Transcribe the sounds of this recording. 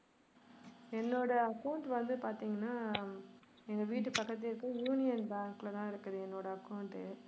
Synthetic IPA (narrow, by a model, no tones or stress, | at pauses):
ɛnːoːɽɐɐkɐʊɳʈʋɐnd̪ɯpaːɾt̪iːŋɡɐnːaː | ɛnd̪ɐʋiːʈːɯpɐkːɐt̪ːɪɪɾɯkːɯ̃juːnɪjɐnbaːŋkɪlɐt̪ãːɪɾɯkːɐðɯɛnːoːɽɐɐkːɐʊɳʈɯ